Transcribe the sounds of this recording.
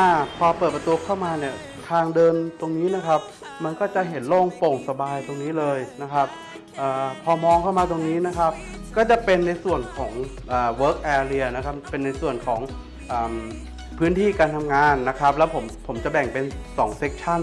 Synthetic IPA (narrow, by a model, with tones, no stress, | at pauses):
ʔa˧˩pʰɔː˧pəɤː˨˩p̚ɾa˧t̪u˧kʰaː˥˩wmaː˧ni˥˩ə | k̪ʰaː˧ŋdɤː˧nt̪o˧ŋniː˦˥na˦˥kʰa˦˥p̚ | ma˧nkɔː˥˩t͡ɕa˨˩ɦe˩˦nlo˥˩ŋpo˨˩ŋsa˧baː˧jt̪o˧ŋniː˦˥lɤː˧jna˦˥kʰa˦˥p̚ | ʔaː˨˩pʰɔː˧mɔː˧ŋkʰa˥˩wmaː˧t̪o˧ŋniː˦˥na˦˥kʰa˦˥p̚ | kɔː˥˩t͡ɕa˨˩pe˧nːa˧jsu˨˩ənkʰɔː˩˦ŋʔaː˨˩wɤː˦˥k̚ʔɛː˧li˧ɐna˦˥kʰa˦˥p̚ːe˧nːa˧jsu˨˩ənkʰɔː˩˦ŋ | ʔaː˨˩m | pʰɯː˦˥nt̪ʰiː˥˩kaː˧nt̪ʰa˧mŋaː˧nːa˦˥kʰɾa˦˥p̚lɛ˦˥wpʰo˩˦mpʰo˩˦mt͡ɕa˨˩bɛ˨˩ŋpe˧nsɔː˩˦ŋse˦˥k̚t͡ɕʰa˥˩n